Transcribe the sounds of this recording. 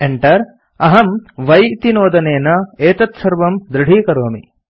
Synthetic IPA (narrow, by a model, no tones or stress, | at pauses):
eɳʈɐɾ | ɐɦɐmʋɐjit̪inoːd̪ɐneːnɐeːt̪ɐt̪sɐɾʋɐmd̪ɾɪɽ̤ʱiːkɐɾoːmi